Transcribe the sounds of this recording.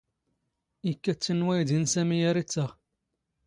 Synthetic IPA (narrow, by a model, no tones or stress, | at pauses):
ikːæt͡sːənwæjd̪insæmijæɾit͡sːəʁ